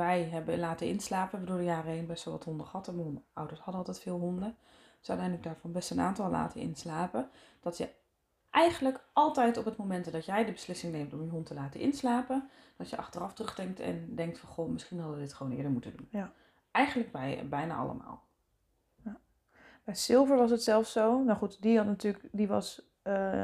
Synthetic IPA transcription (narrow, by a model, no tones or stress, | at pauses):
ʋɛjɦɛbəlaːtəɪ̰nslaːpəbədoːldəjaːɾəeːnbɛstolˠʋɑ̰thɔndəχɑtəmnawdəɹshɑdəɑlˠtɛjtfɪːlˠɦɔndə | d̥sœ̰tɛjndlək̚daːɹfɔnbɛstəna̰ːntɑlˠla̰ːtʰəɪ̰nslaːpə | d̥ɑtjə̰ | ʔɛjχənləkʔɑlˠtɛjtɔpətmowmɛntdɑtjɛjdəbəslɪsɪŋneːmtɔmjəɦɔntʰəlaːtəʔɪnslaːpə | d̥ɑtjəʔɑ̰χtərɑftrɵχdɛŋk̚tʰɛ̰ndɛŋk̚tfɑnχomɪsχinɦɑdəʋədɪtχʋoːwnɪ̰ːdəɹmutədun | ʔɛjχənləɡ̚bɛjbɛjna̰ʔɑ̰lə̰ma̰ːlˠ | j | b̥ɛjsɪlˠvəɹʋɑs̬ətsɛlˠfsownaχutdihɑtnatyːləkdiʋɑ̰s | ə